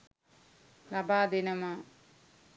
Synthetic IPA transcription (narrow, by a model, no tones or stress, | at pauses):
lɐbaːd̪inɐma